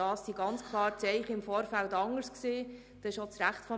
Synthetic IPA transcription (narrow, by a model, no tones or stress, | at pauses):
ɑːsːiɡɑnt͡skʰlˠɑːɾt͡sɛɪχəɪmfɔːɾfæltɑŋəɾskseː | d̥ɛɪʃot͡sɾæχtfɔ